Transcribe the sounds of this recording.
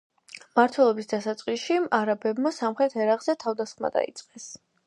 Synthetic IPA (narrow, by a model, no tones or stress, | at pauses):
maɾt̪ʰwɛlˠɔbisd̪asat̪sʼqʼiʃiaɾabɛbmasamχɾɛt̪ʰɛɾaqʼz̥ɛt̪ʰavd̪asχma̰d̪a̰ḭt̪sʼqʼɛs